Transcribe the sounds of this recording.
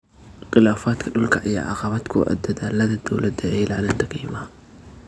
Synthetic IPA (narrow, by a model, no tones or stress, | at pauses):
qɪlaːfaːd̪kʰɐɖʊlkʰɐʔɪja̰ʕɑ̰qɑβaːd̪kʰʊʔɐ̰d̪ɐðaːlɐðɐd̪ɐwlʔɐd̪ɛʕiːlʔaʕnɐnt̪ʰɐkʰijɪmaː